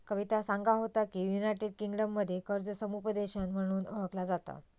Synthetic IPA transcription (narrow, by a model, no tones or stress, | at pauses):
kəʋit̪asaŋɡaɦot̪akiːjunajʈeɖkiŋɡɖəmːəd̪ʱːjekəɾd͡zəsəmupəd̪eɕanm̤əɽ̃uːnəʋəklad͡zat̪a̰